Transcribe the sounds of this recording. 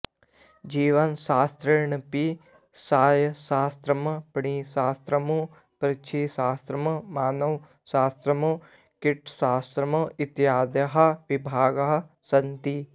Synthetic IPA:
d͡ʒiːʋɐnsaːst̪ɾɪɾɳəpi | saːjsaːst̪ɾɐmpɳisaːst̪ɾɐmu | pɾɪt͡ʃʰisaːst̪ɾəmmaːnɐw | saːst̪ɾɐmu | kɪʈʰsaːst̪ɾɐməɪt̪jaːd̪ɐɦɐʋɪbʱaːɡɐɦ | sɐnt̪i

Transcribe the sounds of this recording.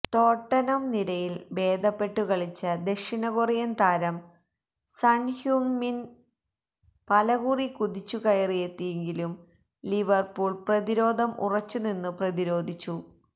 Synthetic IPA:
t̪o̞ːʈːɐnɐmniɾɐjilbe̞ːd̪ʱɐpːe̞ʈːukɐɭit͡ɕːɐd̪eʂiɳɐɣurijɐnt̪aːɾɐm | sɐɳhjuːŋmin | pɐlɐɣuːrikuðit͡ɕːukɐjɐrijet̪ːijeŋɡilum | liʋɐrpuːɭprɐðiɾo̞ːd̪ʱɐmʔṵrɐt͡ɕːuninːɨprɐðiɾo̞ːd̪ʱit͡ɕːu

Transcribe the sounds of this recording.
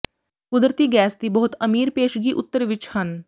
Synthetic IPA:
kʊd̪ɾət̪iːɡɛːsd̪iːbɔɦʊt̪əmiːɾpeːʃɡiːʔʊt̪ːəɾʋɪt͡ʃhən

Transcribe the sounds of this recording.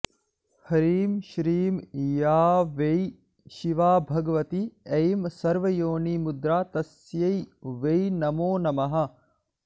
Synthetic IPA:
hɐɾiːmʃɾiːmjaːʋej | ʃiʋaːbʱɐɡɐʋɐt̪iɐjmsɐɾʋɐjoːniːmud̪ɾaːt̪ɐs | jɐjʋejnɐmoːnɐmɐɦɐ̆

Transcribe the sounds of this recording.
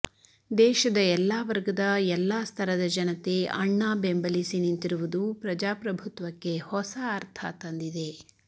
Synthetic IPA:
d̪ɛːʃɐd̪ɐɛlːaːʋɐɾɡɐd̪ɐɛlːaːst̪ʰɐɾɐd̪ɐd͡ʒɐnɐt̪e̞ɐ̰ɳːaːbembɐlisinint̪iɾuʋud̪upɾɐd͡ʒaːpɾɐbʱut̪ʋɐkːe̞hɔsɐːɾt̪ʰa̰t̪ɐnd̪id̪e̞

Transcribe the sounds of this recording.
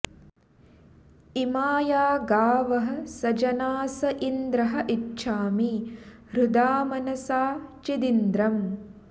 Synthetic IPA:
imaːjaːɡaːʋɐɦɐsɐd͡ʒɐnaːsɐʔind̪ɾɐɦɐ̆ʔitːʃʰaːmiɾud̪aːmɐnɐsaːt͡ʃid̪ind̪ɾɐm

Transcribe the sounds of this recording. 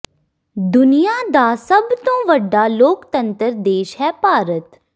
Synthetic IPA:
d̪ʊnijaːd̪aːsəbt̪õːʋəɖːaːloːkt̪ə̃nt̪əɾd̪eːʃɦɛːpaːɾət̪

